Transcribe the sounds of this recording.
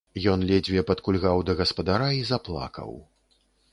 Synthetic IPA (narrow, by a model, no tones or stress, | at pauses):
jɔnlʲɛd͡zʲvʲɛpɐt̪kulʲɣawd̪ɐɣɐspɐd̪aɾaizaplˠa̰kɐ̰w